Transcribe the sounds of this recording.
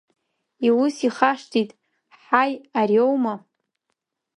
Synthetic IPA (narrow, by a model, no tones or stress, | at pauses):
iwusiχaʂtʰitʼ | ħajarjowma